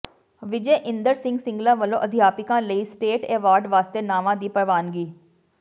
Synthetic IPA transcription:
ʋɪd͡ʒeːʔɪ̃nd̪əɾsɪ̃ŋɡsɪ̃ŋɡlãːʋəlõːʔəd̪ʱɪjaːpɪkãːləiːsʈeːʈeːʋaːɾɖʋaːst̪eːnaːʋãːd̪iːpəɾʋaːnɡiː

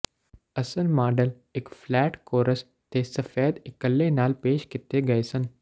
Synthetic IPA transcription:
ɐsəlmaːɖəl | ɪkflɛːʈkoːɾəs | t̪esɐfeːd̪ɪkəlːenaːlpeːʃkɪt̪eɡɐesən

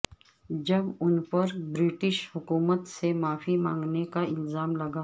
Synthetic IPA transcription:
d͡ʒɐbʊnpəɾbɾɪʈɪʃhʊkuːmət̪semaːfʰimãːŋɡnekaɪlzaːmlɐɡaː

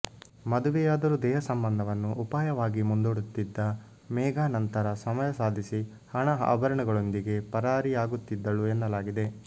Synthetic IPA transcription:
mɐd̪uʋɛjaːd̪ɐɾud̪ɛːɦɐsɐmbɐnd̪ʱɐʋɐnːuʔːpaːjɐʋaːɡimund̪oːɽut̪ːid̪ːɐ | mɛːɡaːnɐnt̪ɐɾɐsɐmɐjɐsaːd̪ʱisi | hɐɳɐɦbɐɾɐɳɐɡɐɭo̞nd̪iɡe̞pɐɾaːɾiaːɡut̪ːid̪ːɐɭuenːɐlaːɡid̪e̞

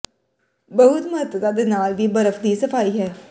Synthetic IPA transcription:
bəɦʊt̪məɦət̪ət̪ad̪enaːlʋiːbəɾəfd̪isəfaːiɦɛː

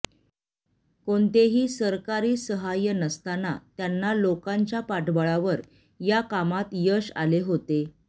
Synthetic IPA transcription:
koɳt̪eɦiːsəɾkaɾiːsəɦajənəst̪anat̪janːalokaɲt͡ɕjapaʈbəɭaʋəɾ | jakamat̪jəɕa̰leɦot̪e

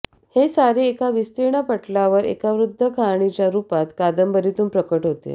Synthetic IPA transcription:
hesaɾeekaʋist̪iɳ̃apəʈlaʋəɾḛkaʋɾud̪ʱːəkʰaɳ̃it͡ɕjaɾupat̪kad̪əmbəɾit̪uːnpɾəkəʈɦot̪ḛ

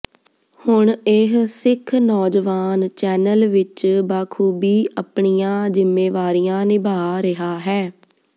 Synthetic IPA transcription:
hʊɳɪɦsɪkʰnɔːd͡ʒʋaːnt͡ʃɛːnəlʋɪt͡ʃbaːkʰuːbiːʔəpɳijãːzɪmːeːʋaːɾijãːnɪbʱaːɾɪɦaːɦɛː

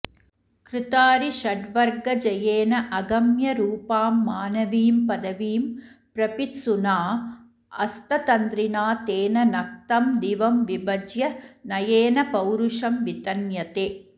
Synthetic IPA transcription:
kɾɪt̪aːɾiʃɐɖʋɐɾɡɐd͡ʒɐjeːnɐʔɐɡɐmjɐɾuːpaːmːaːnɐʋiːmpɐd̪ɐʋiːmpɾɐpit̪sunaː | ɐst̪ɐt̪ɐnd̪ɾinaːt̪eːnɐnɐk̚t̪ɐmd̪iʋɐmʋibɐd͡ʒjɐnɐjeːnɐpɐwɾuʂɐmʋit̪ɐnjɐt̪eː

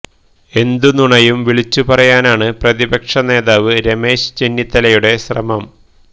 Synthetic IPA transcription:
e̞nd̪unuɳɐjumʋiɭit͡ɕːupɐrɐjaːnaːɳɨprɐðibɐkʂɐne̞ːðaːʋɨɾeme̞ːɕɨ̥t͡ɕe̞nːit̪ːɐlɐjuɽe̞ɕrɐ̰mɐm

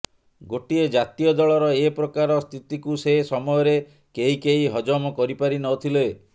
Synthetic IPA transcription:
ɡoʈied͡ʒat̪ijɔd̪ɔɭɔɾɔepɾɔkaɾɔst̪ʰit̪ikusesɔmɔjɔɾe | keɦikeɦiɦɔd͡ʒɔmɔkɔɾipaɾinɔt̪ʰile

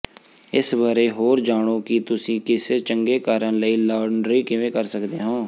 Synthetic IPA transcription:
ɪsbaːɾeːɦoːɾd͡ʒaːɽ̃oːkɪt̪ʊsĩːkɪseːt͡ʃəŋɡeːkaːɾənləiːlaːɖɳɖɾiːkɪʋẽːkəɾsəkd̪eːɦõː

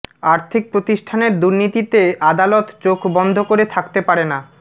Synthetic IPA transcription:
aɾt̪ʰik̚pɾot̪iʃʈʰaneɾd̪uɾnit̪it̪eʔad̪alot̪t͡ɕokbɔnd̪ʱokoɾet̪ʰakt̪epaɾena

